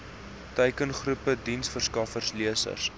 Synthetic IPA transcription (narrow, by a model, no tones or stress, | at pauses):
təjkənχrupədinsfərskɐfərsliəsə̰rs